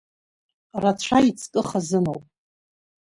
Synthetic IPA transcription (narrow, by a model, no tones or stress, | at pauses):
rat͡ɕʷʰait͡sʰʼkʼɨχazɨnowpʼ